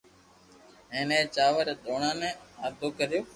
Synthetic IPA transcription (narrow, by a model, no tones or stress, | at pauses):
ɦẽːnẽːt͡ʃaːʋəɾɗoːɳãːnẽːaːd̪ʱoːkəɾɪjoː